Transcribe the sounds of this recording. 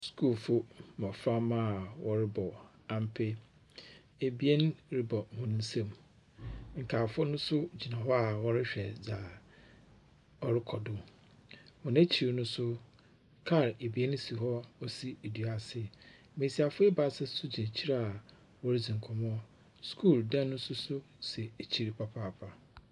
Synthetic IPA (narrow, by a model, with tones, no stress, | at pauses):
skʰuː˦˨fʊ˦mɔ̃˨fɾã˦ma˦˨wʔɔ˦ɾɪ˦bɔ˨ | ã˨m̩˦pʰɪ˦ | e˨bi˦e˦n˦ɾɪ˦bɔ˨hʊ̃˦ñ˦n̩˦sã˦˨m | ŋ̩˨kʰaː˨fʊ˦nʊ̃˦sʊ˦d͡ʑi˨nã˨ɦɔ˦a˨wɔ˦ɾɪ˦ɕᶣɛ˨d͡za˨ | ɔ˦ɾɪ˦kʰɔ˨dʊ˨ | wɔ̃˨nẽ˦t͡ɕʰi˨ɾnʊ̃˦sʊ˦ | kʰa˦˨ɾe˨bi˨˦e˦n˦si˨ɦɔ˦ɔ˦si˦e˨di˨a˨sɪ˦˨ | mẽ˨si˨a˨fʊ˦e˦ba˨sɪ˦sʊ˦d͡ʑĩ˨t͡ɕʰi˦ɾa˦a˨ | wɔ˦ɾɪ˦d͡zĩ˨ŋ̩˨kʰɔ̃˨mɔ˦ | skʰu˦˨ldã˦nːʊ̃˦sʊ˦sʊ˦ | sɛ˨e˨t͡ɕʰi˨ɾi˨pʰa˨pʰaː˦˨pʰa˨